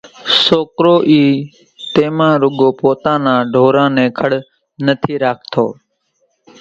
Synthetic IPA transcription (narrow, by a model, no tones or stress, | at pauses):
soːkɾoːʔiː | t̪eːmãːɾʊɠoːpoːt̪ãːnãːɖʱoːɾãːnɛ̃ːkʰəɽ | nət̪ʰiːɾaːk̚ʰt̪ʰo̰ː